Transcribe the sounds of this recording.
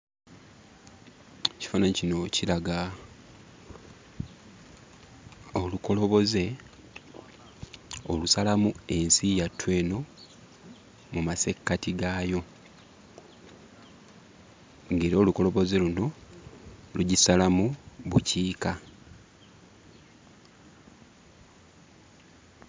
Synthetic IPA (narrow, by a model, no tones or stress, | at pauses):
ci̥fanacino̞cilaɡa | oluko̞lo̞βo̞ze̞ | olusalamue̞nsijatːwe̞ːno̞ | mumase̞kːatiɡaːjo̞ | ŋɡeːɾo̞ːluko̞lo̞βo̞ze̞luno̞ | luɟisalamuβuciːka